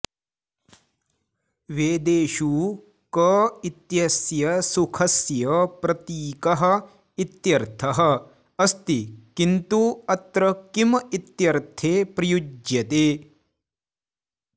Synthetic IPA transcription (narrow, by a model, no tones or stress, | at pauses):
ʋeːd̪eːʃu | kɐːit̪jɐsjɐsukʰɐsjɐpɾɐt̪iːkɐɦɐ̆ | it̪jɐɾt̪ʰɐɦɐ̆ | ɐst̪ikint̪uɐt̪ɾɐkimit̪jɐɾt̪ʰeːpɾɐjud͡ʒjɐt̪eː